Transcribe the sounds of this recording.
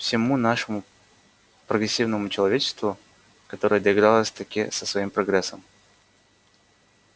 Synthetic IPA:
fsʲɪmunaʂɨmʊ | pɾəɡɾʲɪsʲːivnəmʊt͡ɕɪlˠɐvʲet͡ɕɪ̥st̪vʊ | kɐt̪o̞ɾəjəd̪əɪɡɾalˠəsʲt̪ɐkʲisəsvɐimpɾɐɡɾɛsːəm

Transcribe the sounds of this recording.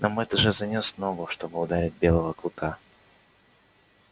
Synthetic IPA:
nʔamɛt̪əʐɨzɐnʲosmnoɡʊʂt̪o̞bɨʊd̪aɾʲɪt̚ʲbʲe̞lˠəvəklˠɨka

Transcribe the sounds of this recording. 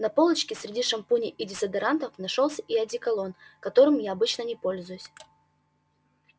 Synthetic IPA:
nɐpo̞lˠət͡ɕkʲɪsʲɾʲɪdʲiʂɐmpunʲɪʔidʲɪsɐd̪ɨɾant̪əfnɐʂolˠsʲʔɪɐdʲikɐlˠo̞nkɐt̪o̞ɾɨmjaɐbɨt͡ɕnənʲɪpo̞lʲzʊjʊsʲ

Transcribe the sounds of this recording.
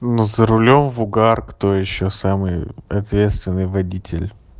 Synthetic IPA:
nuzəɾʊlʲo̞mvʊɡarkt̪o̞jɪɕːosamɨjɐt̪vʲe̞t̪st̪vʲɪnːɨjvɐdʲitʲɪ̰lʲ

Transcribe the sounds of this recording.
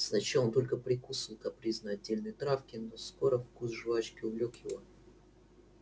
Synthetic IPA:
snɐt͡ɕaont̪o̞lʲkəpɾʲɪkusɨlk̪ɐpɾʲiznəɐdʲːelʲnəjt̪ɾafkʲɪnosko̞ɾəfkusʐɨvat͡ɕkʲɪʊvlʲokjɪvo̞

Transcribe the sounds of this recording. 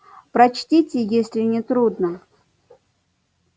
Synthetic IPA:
pɾɐt͡ɕtʲitʲɪjesʲlʲɪnʲɪt̪ɾud̪nə

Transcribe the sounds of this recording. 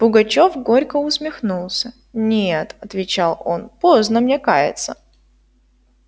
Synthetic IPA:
b̥ʊɡɐt͡ɕo̞fɡo̞ɾʲkəʊsmʲɪxnulˠsʲə | nʲet̪ɐt̪vʲɪt͡ɕalˠo̞̰npo̞znəmnʲekajɪ̰t̪sə

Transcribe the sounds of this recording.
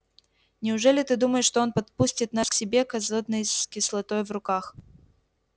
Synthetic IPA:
nʲɪʊʐɛlʲɪt̪ɨd̪uməjɪʂt̪oo̞npɐt̪̚pusʲtʲɪt̪̚nasksʲɪbʲekɐzod̪̚nəjskʲɪslˠɐt̪ojvrʊkax

